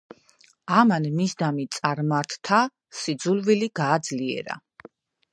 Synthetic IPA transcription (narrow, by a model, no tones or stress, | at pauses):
amanmisd̪amit̪sʼaɾmaɾt̪ʰt̪ʰa | sid̪zulviliɡaːd̪zliɛ̰ɾa̰